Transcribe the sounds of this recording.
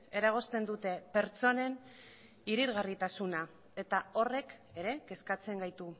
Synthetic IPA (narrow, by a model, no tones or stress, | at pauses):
e̞ɾaɣ̞o̞st̪e̞nd̪ut̪e̞pe̞ɾt͡so̞ne̞n | iɾiɾɣarit̪asuna | e̞t̪ao̞re̞ke̞ɾe̞ke̞skat͡se̞ŋɡajt̪u